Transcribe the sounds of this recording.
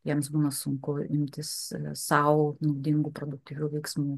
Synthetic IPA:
jiɛmsbuːnɐsʊŋkʊɪmʲt̪ʲɪssɐʊnɐʊd̪ʲɪŋɡuːpɾod̪ʊk̚t̪ʲiːʋʲuːʋʲɛɪksmuː

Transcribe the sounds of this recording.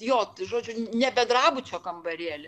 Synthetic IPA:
joːt̪ʒoːd͡ʒʲʊnʲɛbʲɛd̪rɑːbʊt͡ʃʲoːkɐmbɐɾʲiːɛlʲɪ

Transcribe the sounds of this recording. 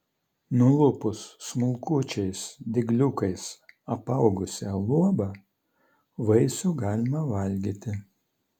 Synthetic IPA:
nʊlˠʊpʊsːmʊlˠkut͡ʃʲɛɪsd̪ʲɪɡlʲʊkɐɪsɐpɐʊɡʊsʲɛlˠuɔbɑ | ʋɐɪsuɡɑːlʲɪmɐʋɐlʲɡʲiːt̪ʲɪ

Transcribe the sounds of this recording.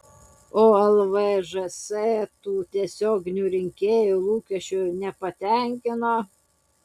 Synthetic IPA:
oːɛlˠʋɛʒɛsɛːt̪uːt̪ʲiɛsʲoːɡʲnʲuːɾʲɪŋʲkʲeːjulˠuːkʲɛʃʲt͡ʃʲʊnʲɛpɐt̪ʲɛŋʲkʲɪno

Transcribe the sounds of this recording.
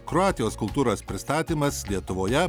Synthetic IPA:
kɾɔɑːt̪ʲɪjoːskʊlˠt̪uːɾoːspʲɾʲɪst̪ɑːt̪ʲiːmɐslʲiɛt̪ʊʋoːjɛ

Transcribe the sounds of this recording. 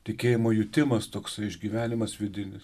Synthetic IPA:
t̪ʲɪkʲeːjɪmoːjʊt̪ʲɪmɐst̪oːksɐɪɪʒʲɡʲiːʋʲæːnʲɪmɐsʋʲɪd̪ʲɪnʲɪs

